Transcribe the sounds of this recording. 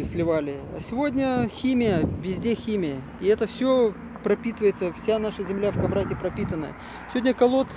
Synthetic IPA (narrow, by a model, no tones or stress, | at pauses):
sʲlʲɪvalʲɪɐ̰sʲɪvodʲnʲəxʲimʲɪjəvʲɪzʲdʲexʲimʲɪjə | ɪɛt̪əfsʲo | pɾɐpʲit̪ɨvəjɪt̪səfsʲanaʂəzʲɪmlʲafkɐbɾatʲɪpɾɐpʲit̪ənːə̰jə̰ | sʲɪvodʲnʲəkɐlˠo̞t̪